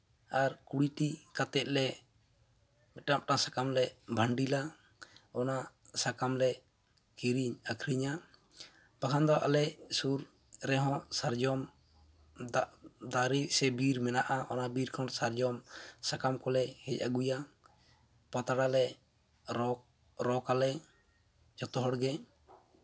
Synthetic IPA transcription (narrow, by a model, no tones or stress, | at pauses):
aɾkuɽiʈikat̪ɛt̪̚ˀlɛ | mɛʈap̚ʈasakamlɛbʱaɳɖila | ɔna | sakamlɛ | kiɾiɲakʰɾiɲa | b̥akʰand̪ɔʔa̰lɛsuɾ | ɾɛɦɔ̃saɾd͡ʒɔm | d̪aɾisɛbiɾmɛnaʔaʔɔnabiɾkʰɔnsaɾd͡ʒɔmsakamkɔlɛhɛca̰ɡuja | pat̪aɽalɛ | ɾɔ | ɾɔkalɛ | d͡ʒɔt̪ɔɦɔɽɡɛ